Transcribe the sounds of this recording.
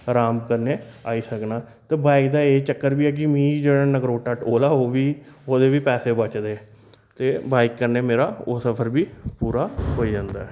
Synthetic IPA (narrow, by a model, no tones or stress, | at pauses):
ɾaːmkəɾneːaːiːsəknaː | t̪eːbaːɪkd̪aːeːt͡ʃəkːəɾbiːɛːk̬ɪmĩːd͡ʒeːɽãːnəɡɾoːʈəʈoːlaːoːʋiː | oːd̪eːʋiːpɛːseːbət͡ʃd̪eː | t̪eːbaːɪkːəɾneːmeːɾaːosəpʰəɾbiːpuːɾaːɦoːid͡ʒãːnd̪aːɛː